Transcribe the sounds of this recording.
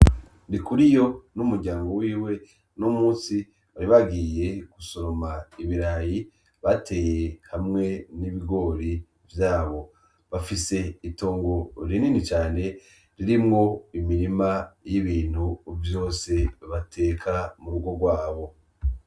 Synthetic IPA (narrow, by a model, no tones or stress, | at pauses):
nikuɾijo̞numuɾɟaːŋɡo̞wiːwe̞ | nomuːsi | βaɾiβaɡiːje̞ɡ̥usoɾomaiβiɾaji | βatʰe̞ːje̞hamŋe̞niβiɡo̞ɾi | vjaːβo̞ | βafise̞ito̞ːŋɡo̞ɾininit͡ʃaːne̞ | ɾiɾimŋo̞imiɾimajiβiːn̥huːvjo̞ːse̞βatʰe̞kʰamuɾuɡo̞ɡwaːβo̞